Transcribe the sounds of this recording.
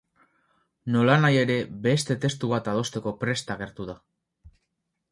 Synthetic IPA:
no̞lanaje̞ɾe̞best̪e̞t̪e̞st̪uβat̪að̞o̞st̪e̞ko̞pɾe̞st̪aɣ̞e̞ɾt̪uða

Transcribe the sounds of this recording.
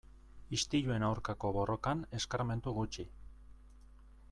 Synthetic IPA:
ist̪iʎue̞nawɾkako̞βo̞rʔo̞kane̞skaɾme̞nt̪uɣut͡ʃi

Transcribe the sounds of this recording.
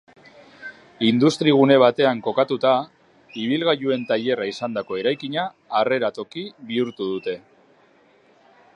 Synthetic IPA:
ind̪ust̪ɾiɣ̞une̞β̞at̪e̞aŋko̞kat̪ut̪a | iβ̞ilɣaʎue̞nt̪aʎe̞raisand̪ako̞e̞ɾajkiɲaː | re̞ɾat̪o̞kiβiuɾt̪uðut̪e̞

